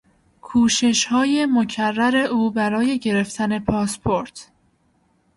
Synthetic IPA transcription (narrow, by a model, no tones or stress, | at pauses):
kʰuːʃe̞ʃhɒːje̞mocʰærːæɾe̞ʔuːbæɾɒːje̞ɟe̞ɾe̞ft̪ʰæne̞pʰɒːspʰo̞ɾt̪ʰ